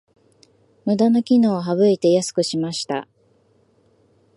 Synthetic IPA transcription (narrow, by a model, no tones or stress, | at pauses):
mɯ̟d̪ano̞kʲino̞ːɦaβɯ̟it̪e̞jasɨ̥kɯ̟ɕimaɕi̥t̪a̰